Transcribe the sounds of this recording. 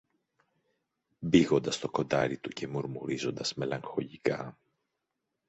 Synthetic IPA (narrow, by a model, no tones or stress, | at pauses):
biɣo̞nd̪ɐst̪o̞ko̞nd̪ɐɾit̪ucʰe̞muɾmuɾizo̞nd̪ɐzme̞lɐŋxo̞ʎikɐ